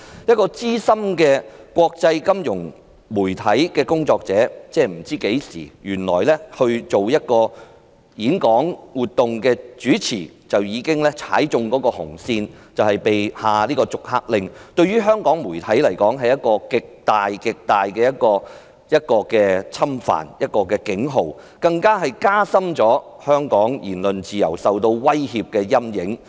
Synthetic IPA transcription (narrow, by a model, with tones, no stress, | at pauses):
jɐ˥t̚kɔː˧t͡siː˥sɐ˥mkɛː˧kʷɔː˧k̚t͡sɐ˧jkɐ˥mjʊ˨˩ŋ | muː˨˩jt̪ʰɐ˨˥jkɛː˧kʊ˥ŋt͡sɔː˧k̚t͡sɛː˨˥t͡sɛː˥m̩˨˩t͡siː˥ke˨˥jsḭː˨˩jyː˨˩nlɔ̰ː˨˩jlɛ˥hɵ˧ɥt͡so˨wjɐ˥t̚kɔː˧ | jiː˨˥nkɔː˨˥ŋwuː˨t̚t̪ːʊ˨ŋkɛː˧t͡ʃyː˨˥t͡sʰiː˨˩t͡sɐ˨wjiː˨˧kɪ˥ŋlɛː˥t͡sʰa̰ː˨˥jt͡sʊ˧ŋkɔː˨˥kɔː˧hʊ̰˨˩ŋsiː˧nt͡sɐ˨whɐ˨jpe˨jhaː˨˩liː˥kɔː˧t͡sʊ˨k̚ha̰ː˧k̚lɪ˨˧ŋt̪ɵ˧ɥyː˥ɦœː˥ŋkɔː˨˥ŋmuː˨˩jt̪ʰɐ˨˥jlɐ˨˩jkɔː˨˥ŋɦɐ˨jɐ˥t̚kɔː˧kɪ˨k̚t̪aː˨jkɪ˨k̚t̪aː˨jkɛː˧jɐ˥t̚kɔː˧ | jɐ˥t̚kɔː˧kɛː˧t͡sʰɐ˥mfa̰ː˨˩njɐ˥t̚kɔː˧kɛː˧kɪ˨˥ŋɦo˨w | kɐ˧ŋkaː˥ɦɐ˨jkaː˥sɐ˥mt͡ʃɔː˨˥hœː˥ŋkɔː˨˥ŋjḭː˨˩nlɵ˨nt͡siː˨jɐ̰˨˩wsɐ˨wt̪o˧wwɐ˥jhiː˨p̚kɛː˧jɐ˥mjɪ˨˥ŋ